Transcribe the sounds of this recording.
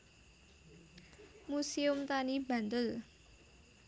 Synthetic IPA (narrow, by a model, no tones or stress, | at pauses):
musiʊmt̪aniba̤nt̪ʊl